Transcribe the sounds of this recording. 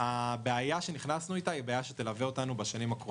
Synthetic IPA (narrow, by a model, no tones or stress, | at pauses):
habeajaʃe̞niχnasnuit̪aibeajaʃet̪e̞laveo̞t̪anubaʃanimakʁ